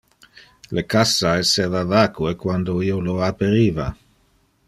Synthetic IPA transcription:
lekasːaɛsːeːvavaːkuekwand̪oiːoloapeɾiːva

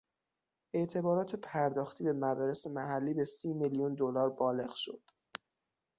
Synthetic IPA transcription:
ʔe̞ʔt̪ʰe̞bɒːɾɒːt̪ʰe̞pʰæɾd̪ɒːxt̪ʰiːbe̞mæd̪ɒːɾe̞se̞mæhælːiːbe̞siːmiljund̪olɒːɾbɒːle̞ɣʃo̞̰d̪̥

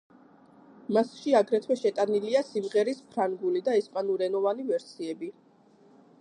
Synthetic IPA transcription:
masʃiaɡɾɛt̪ʰwɛʃɛt̪ʼaniliasimʁɛɾispʰɾaŋɡulid̪aɛspʼanuɾɛnɔvanivɛɾsiɛbi

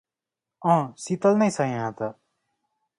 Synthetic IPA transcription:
ʌ̃sit̪ʌlnʌjsʌjɦãt̪ʌ

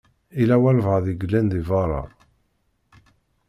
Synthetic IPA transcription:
ilæwælvʁðiɡəlːænðivɑɾˤɑ̰ɾˤ

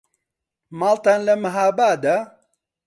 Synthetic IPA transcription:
maːlt̪aːnlɐmɨɦaːbaːd̪ɐ

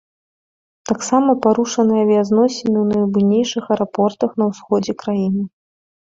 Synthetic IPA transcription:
t̪aksamɐpaɾuʂɐnɨjɐvʲiaznɔsʲɪnɨwnɐjbɨnʲejʂɨxɐɾapɔrt̪ɐxn̪ɐwsxɔd͡zʲɛkɾajinɨ

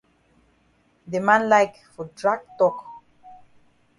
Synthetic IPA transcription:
demãnlajk | fɔdɹaɡ̚tɔk

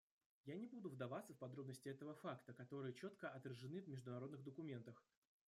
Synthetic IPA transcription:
janʲɪbud̪ʊvd̪ɐvat̪səfpɐd̪ɾo̞bnəsʲtʲɪɛt̪əvəfakt̪əkɐt̪o̞ɾɨjət͡ɕo̞t̪kəʔɐt̪rəʐɨnɨvmʲɪʐd̪ʊnɐɾo̞d̪nɨɣd̪əkʊmʲe̞nt̪əx

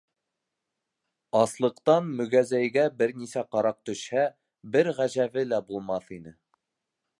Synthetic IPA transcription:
ɑslˠɤ̆qt̪ɑnmɵ̆ɡæzæjɡæbɘɾnisæqɑɾɑq̚t̪ɵ̆ʃhæ | bɘɾʁæʑæβɘlæbulˠmɑθinɘ

